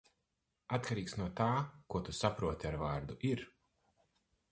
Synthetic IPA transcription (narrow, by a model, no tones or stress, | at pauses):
at̪kaɾiːksnuɔt̪aːkuɔt̪usapɾuɔt̪iaɾvaːɾd̪uʔiɾ